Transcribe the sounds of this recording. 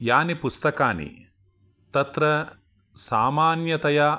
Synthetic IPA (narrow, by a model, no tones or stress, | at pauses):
jaːnipust̪ɐkaːnḭ | t̪ɐt̪ɾɐ | saːmaːnjɐt̪ɐja